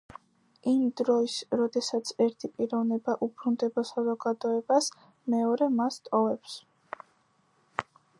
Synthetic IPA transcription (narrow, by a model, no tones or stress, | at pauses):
imd̪ɾɔisɾɔd̪ɛsat̪sʰɛɾt̪ʰipʼiɾɔvnɛbaʔupʰɾund̪ɛbɔsazɔɡad̪ɔɛbas | mɛɔɾɛmast̪ʼɔvɛps